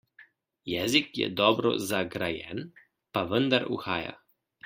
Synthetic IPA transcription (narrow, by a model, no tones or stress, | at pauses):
jɛzikjɛ̰d̪ɔbɾɔ̰zaɡɾajɛ̰n | paʋənd̪aɾṵxaːja̰